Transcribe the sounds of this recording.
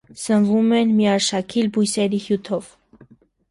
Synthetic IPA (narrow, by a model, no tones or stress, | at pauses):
sənvumɛnmiɑʃɑkʰilbujsɛɾihjut̪ʰɔv